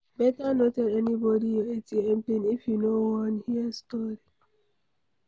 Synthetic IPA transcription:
bɛtanotɛlenibɔdijoetiẽmpẽnifjunowɔ̃nhiəstɔɾi

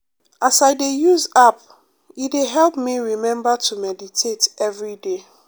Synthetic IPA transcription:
asaɪdejuzap̚ | ideɦɛlpmiɹimɛ̃mbatʰumɛditʰetɛvɹide

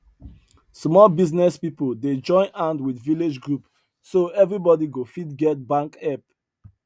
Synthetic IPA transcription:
smɔlbiznɛspipolded͡ʒɔ̃ɪ̃nãndwidviled͡ʒɡɹup | soɛvɹibɔdiɡofidɡɛt̚bãŋkɛp

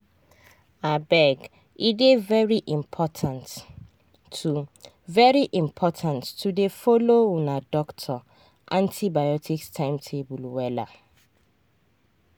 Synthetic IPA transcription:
abɛɡ | idevɛɹiʔĩmpʰɔtʰãntʰː | u | vɛɹiʔĩmpʰɔtʰãntːʰudefolowunadɔktʰɔ | ʔãntʰibajɔtʰikstʰãɪ̃mtʰebulwɛla̰

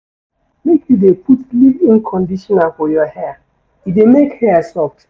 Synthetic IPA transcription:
mekjudeputlivĩnkʰɔ̃ndiʃɔnalfɔjɔhɛa | idemekhɛasɔft

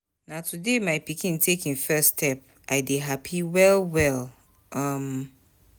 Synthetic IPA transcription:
natʰudemaɪpikĩntʰekĩnfɛstʰɛp̚ | ʔaɪdeɦapʰiwɛlwɛlˠ | ʌ̃m

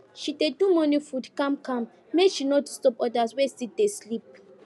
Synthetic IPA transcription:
ʃidedumɔ̃nifudkãmkãm | meʃinɔtustɔpɔdaswesit̚deslip̚

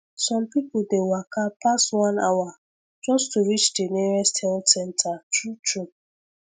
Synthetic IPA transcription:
sɔ̃mpipʊl̩dewakapastwãnawa | d͡ʒɔstuɹit͡ʃdeniɾɛsthɛlsɛ̃ntʰatutu

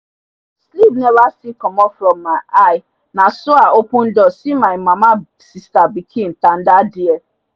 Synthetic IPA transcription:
slibnɛvasikɔmɔfɾɔ̃mːaʔajɪ | nasʊaʔokũn̩dɔsimaɪmama | sistabikʰĩn̩tan̩dadɪɛ

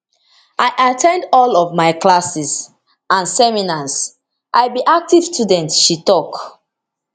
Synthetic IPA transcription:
ʔajʔatʰɛ̃ndɔlɔvmaɪklasis | ãnsɛminas | ʔaɪbiʔak̚tiv̥studɛ̃ntʃitɔk

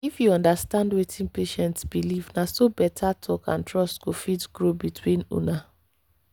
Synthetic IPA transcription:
ifjuɔ̃ndastãndwetʰĩnpeʃɛ̃ntsbilivnasobɛtʰatʰɔkã̰ntɹɔstkofitɡ̥ɹobitʰwĩnṵna

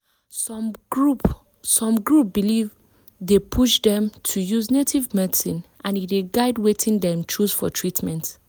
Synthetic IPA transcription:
sɡup | sɔ̃mɡɹup̚biliv | depʰuʃdɛ̃mtʰujuznetʰivmɛsĩnʔãnideɡaɪdwetĩndɛ̃mt͡ʃuz̥fɔtʰɹitmɛ̃nt

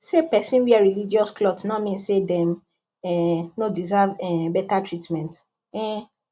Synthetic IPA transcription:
sepɛsĩnwiaɹilid͡ʒiɔsklɔtsnɔmĩnsedɛ̃m | ɛnodizavɛbɛtatɹitmɛ̃nt | ɛ

